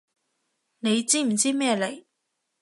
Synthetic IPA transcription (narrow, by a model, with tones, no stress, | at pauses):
ne˨˧jt͡siː˥m̩˨˩t͡siː˥mɛː˥˧le˨˩j